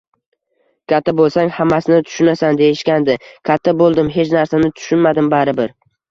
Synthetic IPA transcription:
kʲʰat̪ʰːabolˠsaŋhamːasɪnɪt̪ʰʊ̥ʃʊnasand̪ejɪʃkʲand̪ɪkʲʰat̪ʰːabolˠd̪ɪmɦe̞t͡ʃnaɾsanɪt̪ʰʊ̥ʃʊnmad̪ɪmbaɾɪbɪɾ

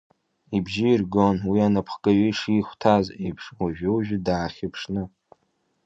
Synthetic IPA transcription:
ibʒiːrɡonwianapʰχkʼaɥiʂiχʷtʰazejpʰʂwaʒᶣɪuʒᶣdaːχʲɪpʰʂnɨ

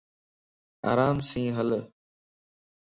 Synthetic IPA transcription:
a̰ːɾaːmsĩːɦəl

